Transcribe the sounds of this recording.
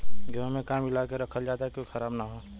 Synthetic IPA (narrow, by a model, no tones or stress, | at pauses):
ɡɪʋamẽkaːmɪlaːkeɾɐkʰəld͡ʒaːt̪ɦɛkoixɐɾaːbnaɦoː